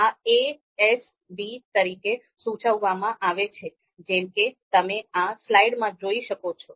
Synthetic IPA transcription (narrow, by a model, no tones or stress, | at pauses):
ae | ɛs | ɖit̪əɾike | sũt͡ʃəʋːamãʔaʋet͡ʃʰe | d͡ʒɛmket̪əmeaslaiɽmãd͡ʒoiʃəkot͡ʃʰo